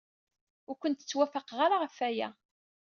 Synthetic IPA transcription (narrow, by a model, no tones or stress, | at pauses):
ʊɾkʷənt̪ə̥t͡sːwæfəqʁaɾaʁəfæjæ̰